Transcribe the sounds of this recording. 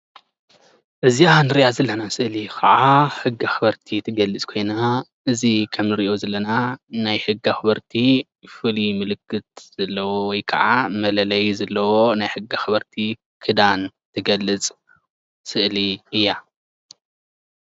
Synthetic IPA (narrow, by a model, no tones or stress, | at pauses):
ʔɨzianɨɾijazɐlːɐnasɨʔlikʰɐʕaħɨɡːaxɨβɐɾt̪ʰit̪ʰɨɡɐlːɨt͡sʼkʰo̞jna | ʔɨzikʰɐmnɨɾiʔo̞zɐlːɐnanajħɨɡːaxɨbɐɾt̪ʰi | fɨlimɨlɨkʰːɨt̪̚z̥ɐlːɐwowɔjkʰɐ̰ʕamɐlɐlɐjzɐlːɐwonajħɨɡːaxɨβɐɾt̪ʰi | kʰɨd̪ant̪ʰɨɡɐlːɨt͡sʼ | sɨʔliɨjːa